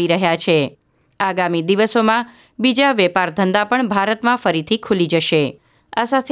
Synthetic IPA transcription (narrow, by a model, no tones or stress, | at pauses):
iɾəɦjat͡ʃʰe | aɡamid̪iʋəsomã | bid͡ʒaʋɛpaɾd̪ʱənd̪apəɳbʱaɾət̪mãfəɾit̪ʰikʰulid͡ʒəʃe | asat̪ʰe